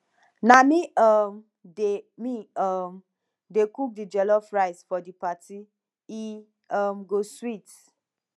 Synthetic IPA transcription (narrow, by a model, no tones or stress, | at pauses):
nãmĩam | demĩam | dekuk̚did͡ʒɛlɔfɹaɪsfɔdipati | i | amɡoswit